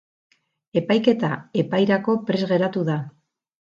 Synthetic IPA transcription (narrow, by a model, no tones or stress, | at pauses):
e̞pajke̞t̪ae̞pajɾako̞pɾe̞zɣe̞ɾat̪uða